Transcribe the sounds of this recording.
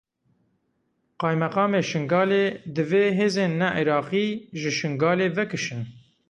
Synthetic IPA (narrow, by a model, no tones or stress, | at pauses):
qɑːjmɛqɑːmeːʃɨŋɡɑːleːd̪ɨveːɦeːzeːnːɛʔiɾɑːqiːʒɨʃɨŋɡɑːleːvɨkɨʃɨn